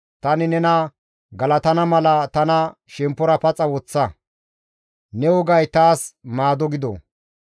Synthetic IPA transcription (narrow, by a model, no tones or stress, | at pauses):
t̪ɐnɪnɛnɐ | ɡɐlɐt̪ɐnɐmɐlɐt̪ɐnɐ | ʃɛmpːɔɾɐpɐt͡sʼɐwɔt͡sːɐ | nɛwɔɡɐjt̪aːsmaːd̪ɔɡɪd̪ɔ̰